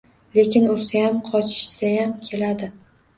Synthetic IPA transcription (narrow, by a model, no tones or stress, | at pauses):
le̞kʲɪnʊɾsajamqʰɒt͡ʃʰɪ̥ʃsajamkʲʰe̞lad̪ɪ